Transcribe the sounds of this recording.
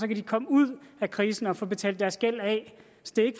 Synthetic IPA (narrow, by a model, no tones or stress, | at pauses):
sɒ̽kʰæd̥ikʰɒ̽məuð̞̰ˠækʰʁiːsn̩ɒ̽fɔ̽ːb̥e̝t͡sʰɛ̰ːld̥æɐsɡ̥el̰ɛ | sd̥e̝eɡ̥ə̥